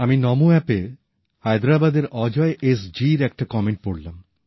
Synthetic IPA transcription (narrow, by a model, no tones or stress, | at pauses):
aminɔmuɛpe | hajd̪ɾabad̪eɾɔd͡ʑɔeʔesd͡ʑiɾɛk̚ʈakɔmeɳʈ̚poɽlam